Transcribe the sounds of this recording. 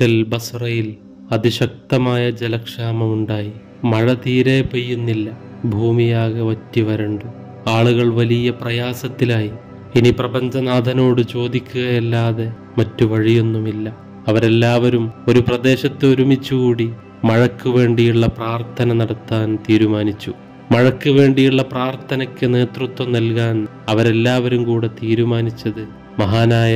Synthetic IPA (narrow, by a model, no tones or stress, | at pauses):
ɐlbɐsrɐjil | ɐd̪iɕɐk̚t̪ɐmaːjɐd͡ʑelɐkʂaːmɐmuɳɖaːji | mɐɻɐt̪iːɾe̞ːpejːunːilːɐ | bʱuːmijaːɣɐʋɐtːiʋɐɾɐɳɖɨ | aːɭuɣɐɭʋɐlijɐprɐjaːsɐt̪ːilaːji | iniprɐbɐɲd͡ʑɐnaːd̪ʱɐno̞ːɽɨt͡ɕo̞ːd̪ikʲːuɣɐjelːaːðe̞ | mɐtːuʋɐɻijonːumilːɐ | ɐʋɐɾelːaːʋɐɾumo̞ɾuprɐd̪e̞ːɕɐt̪ːeoɾumit͡ɕːuɣuːɽi | mɐɻɐkːuʋe̞ːɳɖijuɭːɐpraːrt̪ʰɐnɐnɐɽɐt̪ːaːnt̪iːɾumaːnit͡ɕːu | mɐɻɐkːuʋe̞ːɳɖijuɭːɐpraːrt̪ʰɐnɐkʲːɨne̞ːt̪rut̪ːwɐmnɐlk̬aːn | ɐʋɐɾe̞lːaːʋɐɾumkuːɽet̪iːɾumaːnit͡ɕːɐðɨ | mɐɦaːnaːjɐ